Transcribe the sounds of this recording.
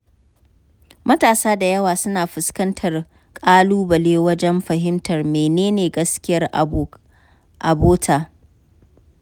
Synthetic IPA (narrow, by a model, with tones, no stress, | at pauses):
mɐ˦taː˨saː˦da˨jɐ˦waː˨sʊ˦naː˨ɸʊ˨skɐ˦ntʰɐ˨r | kʼaː˦luː˦bɐ˨leː˦wɐ˦d͡ʒɛ˦mɸɐ˨ɦɪ˦mtʰɐ˨rmeː˨neː˦neː˨ɡɐ˦skʲɪ˦jɐ˦rʔ | ʔa̰˨boː˦tʰaː˨